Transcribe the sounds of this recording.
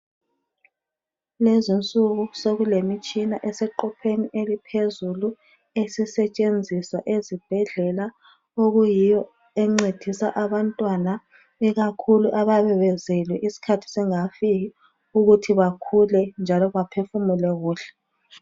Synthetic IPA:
lezint͡sʼuɣusoɣulemit͡ʃʼinaʔɛsɛǃɔpʰeniʔelipʰezulu | esisɛt͡ʃʼend͡zʱiswa̰ʔezib̥ʱɛɮɛla | oɣujijɔ | ɛŋ͡ǀed̥ʱisa̰ʔaβantʼwana | ɛɣakʰuluʔaβaβɛβɛzɛlwɛʔisi̥kʰatʰi̥sɛŋafiɣi | uɣutʰiβakʰulɛnd͡ʒʱalɔɣapʰefumulɛɣuːɬɛ̥

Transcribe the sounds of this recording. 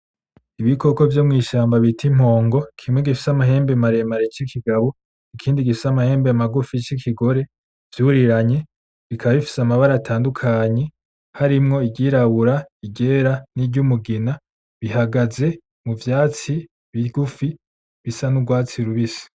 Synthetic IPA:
iβiko̞ko̞vjomŋiːʃaːmbaβitʰim̥ho̞ːŋɡo̞kʰimweɡifi̥samaɦe̞ːmbemaɾe̞maɾet͡ʃikʰiɡaβo | ikʰiːndiɡifisamahe̞ːmbemaɡufit͡ʃikʰiɡo̞ɾe̞ | v̥juɾiɾaɲe̞ | βikʰaβaβifi̥samaβaɾatʰaːndukʰaɲe̞ | haɾimŋo̞iɟiːɾaβuɾaiɟe̞ːɾanibɟumuɡina | βiɦaɡaze̞ | muvjaːt͡si | βiɡufi | βisanubɡwaːt͡siɾuβisi̥

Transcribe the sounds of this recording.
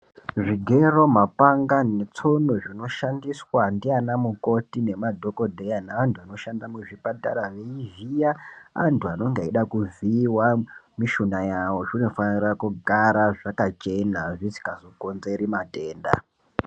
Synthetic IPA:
ʐiɡʱe̞ro̞mapaŋɡane̞t͡sonoʐino̞ʃandiswandianamuko̞tine̞madʱo̞kodʱejanaʋantʰuano̞ʃandamuʐipataɾaʋe̞ivijaa̰ntuano̞ŋɡeiɗakuviwamiʃunajawo̞ʐino̞fanirakuɡʱaɾaʐakat͡ʃe̞naʐisi̥kazokonzeɾimate̞ːnda̰

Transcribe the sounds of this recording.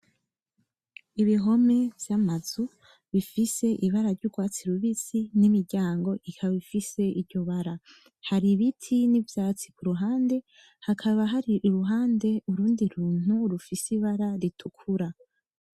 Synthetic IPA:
iβiɦo̞me̞vjamaz̥u | βifise̞ʔiβaɾaɾɟuɡwaːt͡siɾuβit͡sinimiɾɟaːŋɡo̞ʔikʰaβaβifise̞iɾɟoβaɾa | haɾiβitʰinivjaːt͡si̥kuɾuɦaːnde̞ | hakʰaβaɦaɾiʔuɾuɦaːnde̞uɾuːndiɾuːn̥huɾufisiβaɾaɾitʰukʰuɾa

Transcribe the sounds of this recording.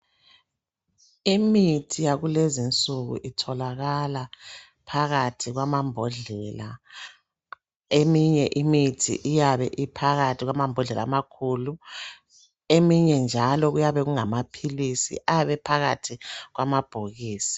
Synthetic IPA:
imitʰijaɣulezint͡sʼuɣṵʔitʰɔlaɣala | pʰaɣatʰiɣwamambʱɔɮɛla | emiɲɛʔimitʰḭʔijaβɛʔipʰaɣatʰiɣwamambʱɔɮɛla̰makʰuːlu | emiɲɛnd͡ʒʱalɔɣujaβɛɣuŋamapʰilisḭʔajaβɛpʰaɣatʰiɣwamab̥ʱoɣiːsi̥

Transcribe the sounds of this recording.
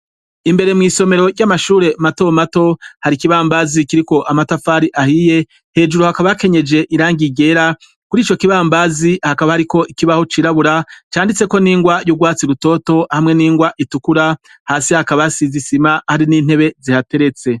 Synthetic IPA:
imbe̞ɾemŋiːso̞me̞ɾo̞ɾɟamaʃuːɾe̞mato̞mato̞haɾikiβaːmbazikiɾiko̞ʔamatafaːɾiʔahije̞ | he̞ːd͡ʒuɾohakaβajake̞ɲe̞d͡ʒe̞ʔiɾaːŋɡiɡe̞ɾa | kuɾiːt͡ʃo̞kiβaːmbazihakaβahaɾiko̞ʔikiβaho̞t͡ʃiɾaβuɾat͡ʃaːndit͡se̞ko̞niːŋɡwajuɡwaːt͡siɾuto̞ːto̞hamŋe̞niːŋɡwaʔitukuɾa | haːsihakaβasizisimahaɾiniːn̥he̞βe̞zihate̞ɾe̞t͡se̞

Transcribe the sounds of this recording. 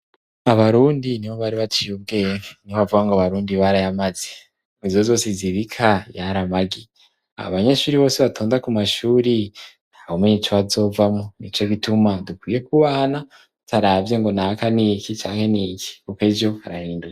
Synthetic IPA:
aβaɾuːndiniβo̞βaɾiβat͡ʃijub̚ɡe̞ːŋenioβavuɡaŋɡaβaɾuːndiβaɾajamaz̥e | mizo̞zo̞ːsiziβikʰajaɾamaɡi | a̰o̰βaɲe̞ʃuːɾiβo̞ːsiβatʰoːndakumaʃuːɾi | nhaβomeɲet͡ʃoβazo̞ːvamonit͡ʃo̞ɡitumadukwiːje̞kuβaːna | taɾavje̞ŋɡo̞nakaniːkit͡ʃaːŋ̥he̞niːki̥kuked͡ʒo̞ha̰ɾahiːnduka

